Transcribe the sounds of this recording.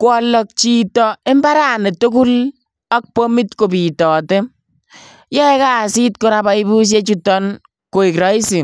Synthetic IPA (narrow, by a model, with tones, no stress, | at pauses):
kwɔ˨lɔ˨k̚t͡ʃi˨tɔ˨e˦mba˦ɾa˦˨ne˨tu˦ku˦l | a˦k̚po˦mi˦tko˨pi˨tɔː˨te˦ | jɛ˦ɛ˦ka˦˨si˦t̚ko˦ɾa˦ba˨˦i˦bu˦s̬je˦t͡ʃu˦tɔ˦n | ko˨i˨kɾɔ˨˦i˦si˨